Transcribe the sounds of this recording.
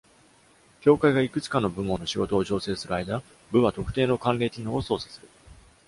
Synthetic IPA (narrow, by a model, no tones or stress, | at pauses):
kʲo̞ːkaiɡaikɯ̟t͡sɨ̥kanːo̞bɯ̟mːõ̞nːoɕiɡo̞t̪o̞ːd͡ʑo̞ːse̞ːsɨɾɯ̟aid̪a | bɯ̟βat̪o̞kɯ̟̥t̪e̞ːno̞kãnɾe̞ːtʲinoːoso̞ːsḁsɨɾɯ̟